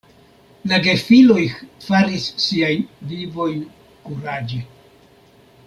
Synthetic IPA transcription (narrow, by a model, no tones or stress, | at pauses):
laɡe̞filo̞jfaɾisːiajnvivo̞jn | kuɾad͡ʒe